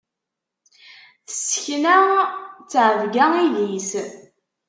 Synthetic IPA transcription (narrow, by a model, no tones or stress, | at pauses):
θə̥səçnæt͡sːʕəvɡæilis